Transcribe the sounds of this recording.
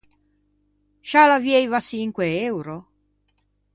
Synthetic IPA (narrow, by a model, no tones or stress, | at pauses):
ʃalavjejvasiŋkweewɾo